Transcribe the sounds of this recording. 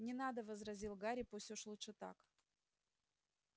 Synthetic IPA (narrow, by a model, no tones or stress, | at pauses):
nʲɪnad̪əvəzɾɐzʲilˠɡaɾʲɪpusʲtʲoʂlˠut̪ʂɨt̪a̰k